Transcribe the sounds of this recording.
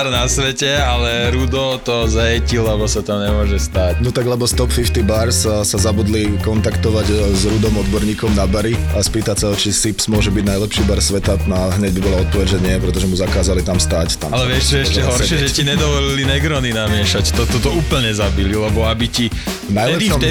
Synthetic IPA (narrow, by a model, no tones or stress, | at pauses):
ɾnasʋɛcɛalɛɾud̪ɔt̪ɔzɦɛcilɛbɔsat̪amɲɛmʊɔʒɛst̪aːc̚nɔt̪aɡlɛbɔst̪ɔpfift̪ibaɾssazabuːd̪likɔnt̪akt̪ɔʋaɟzɾud̪ɔmɔd̪bɔɾɲiːkɔmnabaɾiaspiːt̪acsaɔt͡ʃisipsmʊɔʒɛbiɟnajlɛpʃiːbaɾsʋɛt̪anaɦɲɛɟbibɔlaɔt̪̚pɔʋɛɟʒɛɲɪɛpɾɛt̪ɔʒɛmuzakaːzalit̪amst̪aːct̪a̰malɛʋɪɛʃɛʃcɛɦɔɾʃɪɛʒɛciɲɛd̪ɔʋɔlilinɛɡɾɔninamɪɛʃact̪ɔt̪ɔt̪ɔuːpl̩ɲɛzabililɛbɔabici | najlɛpʃɔm